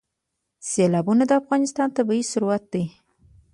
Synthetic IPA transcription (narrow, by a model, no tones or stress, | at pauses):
selɑbunad̪əafɣɑnɪst̪ɑnt̪abajisʊɾwat̪̚d̪ej